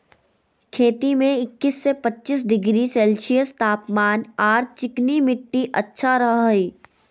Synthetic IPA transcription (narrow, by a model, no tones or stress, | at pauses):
kʰeːt̪imẽɪkːɪsːepɐtːt͡ʃɪs̬ɖɪɡɾiseːlʃijəst̪aːpmaːnaːɾt͡ʃɪknimɪʈːiʔɐtːʃʰaɾɐɦiː